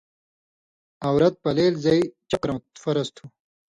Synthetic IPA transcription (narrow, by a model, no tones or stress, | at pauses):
ɐwɾɐt̪̚pɐleːlzɐjt͡ɕɐkɾɐt̪fɐɾɐst̪ʰu